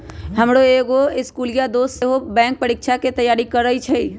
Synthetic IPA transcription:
ɦəmɽoeːɡoɪskuːlijad̪oːsseɦobɛ̃ːŋk̚pəɾikt͡ʃʰaket̪əjaːɾikəɾəit͡ʃʰɛi

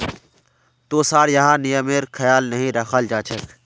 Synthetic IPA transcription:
t̪oːsaːɾjɐɦãnɪjəmeɾkʰɐjaːlnɐɦĩɾɐxaːld͡ʒaːt͡ʃʰɐk

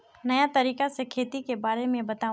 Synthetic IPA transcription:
nɐjat̪ɐɾiːkasekʰeːt̪ikebaːɾemẽbɐt̪aː

